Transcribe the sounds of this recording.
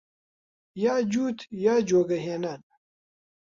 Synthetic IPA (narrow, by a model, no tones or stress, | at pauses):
jaːd͡ʑuːt̪jaːd͡ʑoːɡɐɦeːnan